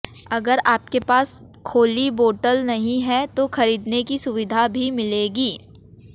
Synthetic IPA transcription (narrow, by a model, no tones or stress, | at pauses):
ɐɡəɾaːp̚kepaːs | kʰoːliboːʈəlnɐɦĩɦɛt̪oxɐɾiːd̪nekisʊʋɪd̪ʱabʱimɪleːɡiː